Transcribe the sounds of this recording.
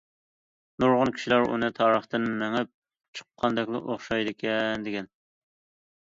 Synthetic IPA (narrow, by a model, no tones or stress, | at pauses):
nuɾʁʊnkʲʰi̥ʃilæɾṵnɨt̪ʰɑːɾəχt̪ɨnmæŋɪp̚ | t͡ʃʰə̥qʰːɑnd̪ɛkʲlˠɨ̰ʔoχʃɑjd̪ɪkʲʰɛnd̪ɪkʲɛn